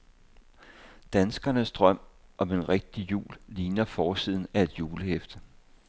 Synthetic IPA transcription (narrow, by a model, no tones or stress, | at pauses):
d̥ænsɡ̥ɐnəsd̥ʁɶm̰ʔɒ̽me̝nʁeɡ̥̚d̥ijṵːlːiːnɐfɒːsið̰ˠn̩æe̝d̥juːləhefd̥ə